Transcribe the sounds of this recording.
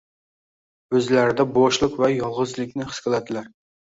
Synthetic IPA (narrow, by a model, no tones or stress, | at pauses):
øzlæɾɪd̪ɛboʃlˠʊqvɛjɑlˠʁɨzlˠɪkʲnɪχɨ̥skʲɨlˠæd̪ɪlæɾ